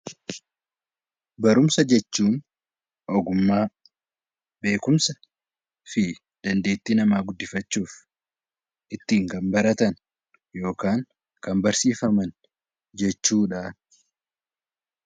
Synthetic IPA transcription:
bɐɾʊmsɐd͡ʒɛt͡ʃːuːn | ʔɔɡʊmːaː | be̞ːkʊmsɐ | fɪ | d̪̥ɐnd̪e̞ːt̪ːiːnɐmaːɡʊd̪ːɪfɐt͡ʃːuːf | ʔɪt̪ːiːŋkɐmbɐɾɐt̪ɐn | jo̞ːkaːŋ | kɐmbɐɾsiːfɐmɐn | d͡ʒɛt͡ʃːuːᶑaː

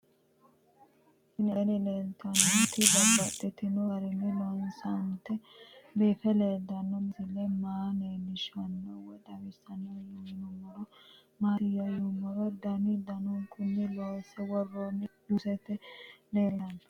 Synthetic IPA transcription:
ɪnɛnɪleːnt̪ɐnːɐt̪ɪbɐbɐt̪ːɛt̪ːɪnɔɐɾɪnːɪlɔnsɐnt̪ɛbeːfɛleːld̪ɐnːɔmɪsɪlːɛmaːneːnːɪʃɐnːɔwɔd̪ɐwɪsɐnɐjʊmɪnɔmɔɾɔ | maːt̪ɪjɐjɔmɔɾɔd̪ɐnɪd̪ɐnɔŋkʼʊnːɪlɔsɛwɔrːonɪd̪ʊsɛt̪ːɛleːɾɐn

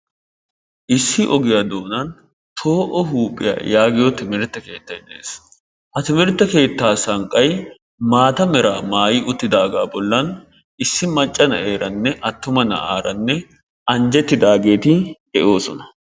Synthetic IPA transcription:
ʔɪsːɪʔɔɡɪjad̪o̞ːnɐn | t̪ʰo̞ːʔɔɦuːpʼːɪ̰ja̰ːjaːɡɪjɔt̪ɪmɪɾt̪ːɐke̞ːt̪ːɐjd̪ḛːs | hɐt̪ɪmɪɾt̪ːɐke̞ːt̪ːaːsɐŋkʼːɐj | maːt̪ɐmɛɾaːmaːjɪʔʊt̪ːɪd̪aːɡaːbɔlːɐn | ɪsːɪmɐt͡ʃʼːɐnɐ̰ʔe̞ːɾɐnːɛʔɐt̪ːʊmɐnɐ̰ʔaːɾɐnːɛ | ʔɐnd͡ʒɛt̪ːɪd̪aːɡe̞ːt̪ɪhɛʔo̞ːsɔnɐ̥

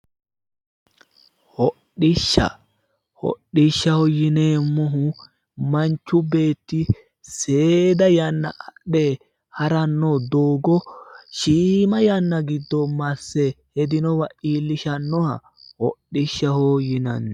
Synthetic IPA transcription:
hɔɗɪʃːɐ̰ | hɔ̰ɗːɪʃːɐhɔjɪneːmːɔɦʊ | mɐnt͡ʃːʊbe̞ːt̪ːɪ | seːd̪ɐjɐnːɐ̰ʔɐɗeː | hɐɾɐnːɔd̪oːɡɔʃiːmɐjɐnːɐɡɪd̪ːɔmɐsːɛhɛd̪ɪnɔwɐʔiːlːɪʃɐnːɔhɐ̰ | hɔɗːɪʃːɐhɔjɪnɐn

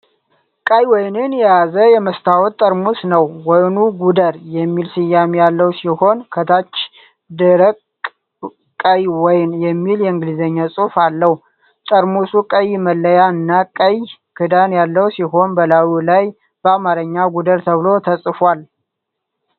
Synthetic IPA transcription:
kʼajwɔjnɨnjɛjazəjɛməst̪ʰawɔt̪t̪ʼːəɾmusnəwːɔjnuɡud̪əɾjɛmːilsɨjːamjalːəwsiho̞nkʰət̪ʰat͡ʃː | d̪ɨɾəkʼ | kʼːəjwɔjnjɛmːiljɛɨŋɡɨlizəɲːasʼufalːəhu | t̪ʼəɾmusukʼəjməlːəjaɨnːakʼəj | kʰɨd̪anjalːəwsiɦo̞nbəlawulaj | b̥əamaɾəɲːaɡud̪əɾt̪ʰəβɨlo̞t̪ʰəsʼfwal

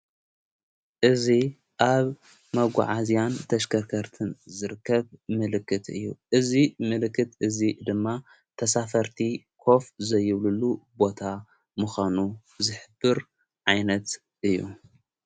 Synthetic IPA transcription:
ʔɨzi | ʔaβ | mɐɡʷa̰ʕazijant̪ʰɐʃkʰɐɾkʰɐɾt̪ʰɨnzɨɾɨkːɐβmɨlɨkːɨt̪ɨ̰jːṵʔɨzimɨlkːɨt̪ɨzid̪ɨmːa | t̪ʰɐsafɐɾt̪ʰi | kʰo̞fzɐjːɪβlɨlubo̞t̪ʰa | mɨxʷanu | zɨħɨbːɨɾ | ʕajnɐt̪ | ʔɨjːṵ

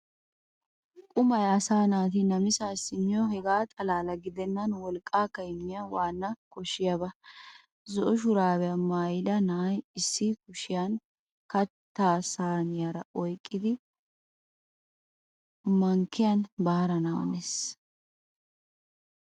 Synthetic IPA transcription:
kʼʊmɐjɐsaːnaːt̪̬ɪnɐmɪsaːsɪnːɪɔhɛɡaːt̪ʼɐlaːlɐɡɪd̪ɛnːɐnwɔlkʼːaːkːɐɪmːɪjɐwaːnːɐkɔʃɪjabɐ | zɔʔɔʃ̬ʊɾaːbɛjɐmaːjɪd̪ɐnajɪsːɪkʊʃɪjɐn | kɐt̪ːaːsaːnɪjɐɾɐʔɔjkʼːɪd̪ɪ | mɐŋkːɪjɐnbaːɾɐnaw̰nes

